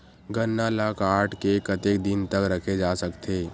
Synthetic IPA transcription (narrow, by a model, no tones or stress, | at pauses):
ɡənːalaːkaːʈʰkekɐt̪ek̚d̪ɪnt̪əkɾɐkʰed͡ʒaːsɐkt̪ʰeː